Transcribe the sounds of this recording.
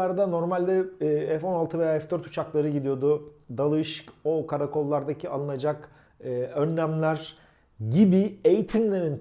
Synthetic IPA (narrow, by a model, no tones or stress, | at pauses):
aɾd̪ano̞ɾmalʲd̪ɛɛfo̞nalˠt̪ʰɯve̞jaːɛfd̪øɾt̪ʰu̥t͡ʃʰaklˠaɾɯɟid̪ijo̞d̪ʊd̪alˠɯʃkokʰaɾako̞lˠːaɾd̪acʰialˠɯnad͡ʒak | ɯø̞nːæmlʲæɾ̥ | ɟibie̞jit̪ʰimlʲe̞ɾin